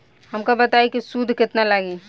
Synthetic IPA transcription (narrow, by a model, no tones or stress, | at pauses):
hɐmkabɐt̪aːikisud̪ʱkɪt̪nalaɡi